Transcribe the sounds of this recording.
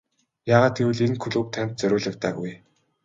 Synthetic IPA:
jaːʁaːt̪̚ɡewɘ̆ɮenkʰɵɮuːk̚t̪ʰæm̥ʲt̪̚t͡sœɾʲʊːɮə̆k̚t̪aːɣuj

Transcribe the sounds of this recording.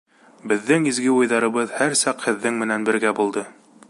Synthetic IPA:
bɘ̆ðːɘŋizɡɘujðɑɾɤ̆βɤðhæɾsɑqhɘ̆ðːɘŋmɘ̆nænbɘ̆ɾɡæbulˠd̪ɤ

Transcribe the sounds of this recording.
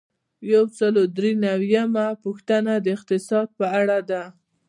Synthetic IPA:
jawsəlod̪ɾenawjamapuxt̪anad̪əɪqt̪ɪsɑd̪̚pəaɽad̪a

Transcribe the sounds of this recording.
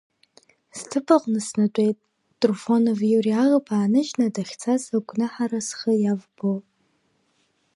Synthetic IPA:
stʰɨpʰʼaqʼnɨsnat͡ʃʷʼejtʼ | tʼrufonovjuriaʁəpʰaːnɨʒnadaχʲt͡sʰazaɡʷʼnɨħaɾasχəjavbo

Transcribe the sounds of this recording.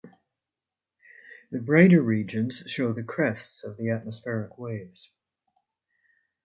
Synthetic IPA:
ðɨbɹaɪɾə˞ɹid͡ʒɨ̃nz̥ʃoʊðɨkʰɹ̥ɛstsʌvðiæt̚məsfɛɹɨkweɪvz̥

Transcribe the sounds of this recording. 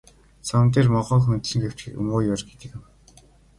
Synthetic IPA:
sʰamnt̪̬eːrmɔʁɔːxɵnt̪sɘ̆ŋɡew̥t͡ɕɘɵ̰moːjɔrɡet̪ɘ̆k̆w

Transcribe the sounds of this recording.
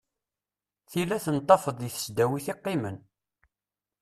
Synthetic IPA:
θilːæθənt̪ˤːɑfəðˤiθə̥sd̪æwiθiqːɪmən

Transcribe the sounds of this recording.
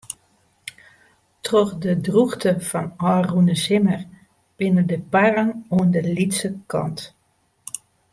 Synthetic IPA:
trɔxdədruxtəfɔnɔːrunəsɪmər | b̥ɪnədəparəŋuəndəlitsəkɑ̰nt

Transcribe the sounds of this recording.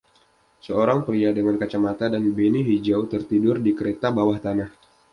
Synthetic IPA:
səoɾaŋpəɾiadəŋankat͡ʃamat̪adanbeniɦid͡ʒawt̪ərt̪idʊrdikəɾet̪abawaht̪anah

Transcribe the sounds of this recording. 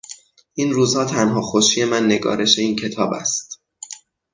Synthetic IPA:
ʔinruːzhɒːt̪ʰænɦɒːxoʃiːje̞mænːe̞ɡɒ̰ːɾe̞ʃe̞iːncʰe̞t̪ʰɒːbæ̰st̪

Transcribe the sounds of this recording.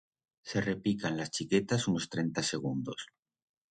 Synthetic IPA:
se̞re̞pikanlast͡ʃike̞t̪asunost̪ɾe̞nt̪ase̞ɣ̞und̪os

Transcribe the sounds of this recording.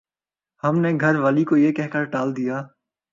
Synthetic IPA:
hɐmneɡʱɐɾʋaːlikojekɛɦkəɾɖaːld̪ijaː

